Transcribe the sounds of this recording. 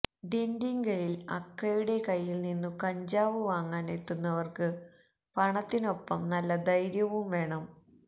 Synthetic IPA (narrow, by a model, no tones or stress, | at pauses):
ɖenɖiŋɡɐlilɐ̰kːɐjuɽe̞kɐjːilninːukɐɲd͡ʑaːʋɨʋaːŋːaːnet̪ːunːɐʋɐrkɨ | pɐɳɐt̪ːino̞pːɐmnɐlːɐd̪ɐjɾjɐʋumʋe̞ːɳɐm